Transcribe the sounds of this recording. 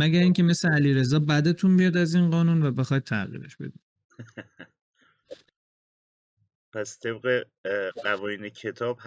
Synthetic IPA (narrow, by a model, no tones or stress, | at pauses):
mæɟæɾiːŋce̞me̞sleæliːɾe̞zɒːbæd̪et̪ʰunbijɒd̪æziːnɢɒːnunvæbe̞xɒːjd̪̚t̪ʰæʁḭːɾḛʃb̥e̞̰d̪i̥ | pʰæst̪ʰebɣe | ɢævɒːjiːnecʰet̪ʰɒːb̥h